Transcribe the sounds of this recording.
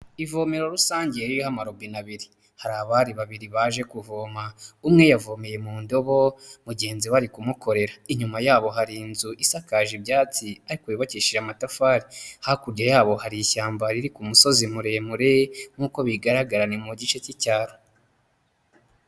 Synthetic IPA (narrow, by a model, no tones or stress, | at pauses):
ivo̞meɾo̞ɾusaːɲɟieɾijohamaɾobinaβiɾi | haɾaβaːɾiβaβiɾiβaːʒe̞kuvoːmaumŋe̞javomeje̞muːndo̞βo̞muɟe̞ːnziwaɾikumukʰo̞ɾe̞ɾaiɲumajaːβo̞ɦaɾiːnzuʔisakaʒibɟaːt͡siaɾikuiβaciʃiʒamatafaːɾihakuɾɟajaːβo̞haɾiçaːmbaɾiɾikumuso̞zimuɾemuɾeŋ̥uːko̞βiɡaɾaɡaɾanemuɟit͡ʃecicaːɾo